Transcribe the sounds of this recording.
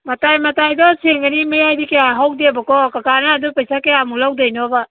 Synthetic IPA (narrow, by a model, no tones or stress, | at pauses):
mɐtajmɐtajdɔseŋɡanimɐjajdikeaɦawdiabakɔkakanaːdupajsakeamulawdajnɔba